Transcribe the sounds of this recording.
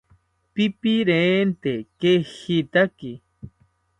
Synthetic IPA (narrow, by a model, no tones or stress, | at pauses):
pipiɾeːnt̪ekexit̪aki